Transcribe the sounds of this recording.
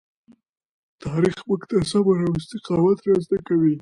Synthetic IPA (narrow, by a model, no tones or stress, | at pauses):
t̪ɑɾixbəkt̪asɑbaɾawɪst̪ɪqɑwat̪ɾɑst̪akawi